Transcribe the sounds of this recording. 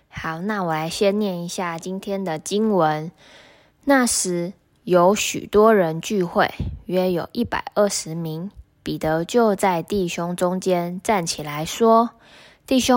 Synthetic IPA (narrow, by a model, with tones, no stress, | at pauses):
xa˨˩˦ʊna˥˩wɔ˨˩la˧˦ɪɕjɛ˥nnjɛ˥˩ni˧˥˦ɕja˥˩t͡ɕi˦nt̪ʰjɛ˥nd̪ə˨t͡ɕi˥nwə˧˦n | na˥˩ʂɻ̩˧˥ | jo˧˥ʊɕy̰˨˩t̪wɔ˦˥ɻə˧˦nt͡ɕy˥˧xwe˥˩ɪɥɛ˥jo˨˩ʊʔi˥˩pa̰˨˩ɪʔə˥˩ʂɻ̩˨˧˦mi˧˦ŋ | pi˨˩t̪ə˨˧˦t͡ɕjo˥˧ʊt͡sa˥˧ɪt̪i˥˩ɕjʊ˦ŋʈ͡ʂʊ˦ŋt͡ɕjɛ˦˥nʈ͡ʂa˥˩nt͡ɕʰi˨˩la˧˦ɪʂwɔ˦˥ | t̪i˥˩ɕʊ˥